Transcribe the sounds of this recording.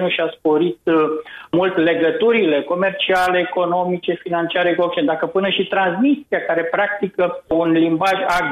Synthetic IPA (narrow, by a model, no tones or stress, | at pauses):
nəʃiaspo̞ɾit̪̚mult̪le̞ɡət̪uɾile̞ko̞me̞rt͡ʃialeːko̞no̞mit͡ʃe̞finant͡ʃiaɾekok̚t͡ʃend̪akəpɨnəʃit̪ɾansmist̪ɾiakaɾe̞pɾak̚t̪ikəunlimbaʒaɡ